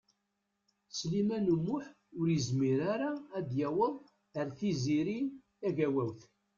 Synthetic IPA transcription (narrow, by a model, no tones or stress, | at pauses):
slimænumːʊħ | ʊɾjəzmiɾaɾaːd̪jæwəðˤ | əɾθiziɾi | æʝæwæwθ